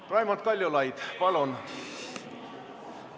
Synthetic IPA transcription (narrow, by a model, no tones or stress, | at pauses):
pɑjmɑt̪̚kɑlʲjolɑjd̪̥pɑlon